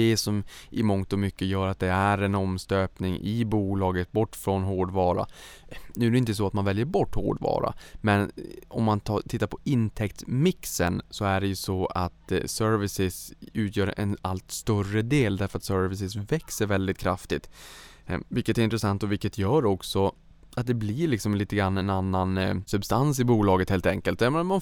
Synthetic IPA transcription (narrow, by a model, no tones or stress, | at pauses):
ɛːsɔmʔɪmɔŋt̪ɔmʏkːəjœːɾat̪̚d̪ɛæɾɛnɔmst̪øːpnɪŋʔɪbuːlɑːɡət̪̚bɔʈːfɾɔnɦoːɖvɑːɾa̰ | nʉ̟ːæɾɖɛɪnt̪əs̬ɔat̪manvɛljəɾbɔʈːho̰ːɖvɑ̰ːɾa̰mɛnɔmːant̪ʰɑt̪ʰɪt̪ːaɾpʰɔɪnt̪ʰɛkt̪mɪksə̰nsɔæɖɛjɵsɔa̰t̪sœɾvɪsɪsʉ̟ːt̪ʰjœːɾɛ̰nalt̪st̪œrəd̪eːld̪æɾfœɾat̪sœːɾvɪs̬ɪs̬vɛksəɾvɛld̪ɪt̪̚kʰɾa̰ft̪ɪt̪ | vɪlkːət̪æɾɪnt̪ɾɛsant̪ɔvɪkːət̪jœːɾɔksɔ | at̪̚d̪ɛblɪɭɪksɔmliːt̪əɡɾanːɛnanːansɵbst̪ansɪbuːlɑːɡət̪heːlt̪ɛŋkəlt̪ːɔjameːnaman